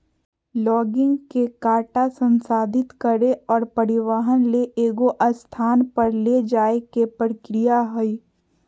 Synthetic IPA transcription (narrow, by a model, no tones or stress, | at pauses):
lɔːɡɪ̃ŋɡkekaːʈasə̃nsaːd̪ʱɪt̪kəɾeɔːɾpəɾɪʋaːɦənleʔeːɡoʔəst̪ʰaːnpəɾled͡ʒaːekepɾɾkɾɪjaɦʊi